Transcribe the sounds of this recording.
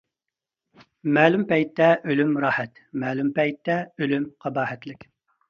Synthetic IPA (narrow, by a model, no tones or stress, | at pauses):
mɛːlympɛjt̪ːɛʔølymɾɑːhɛt̪mɛːlympɛjt̪ːɛølymqʰɑbɑːhɛt̪lɪkʲ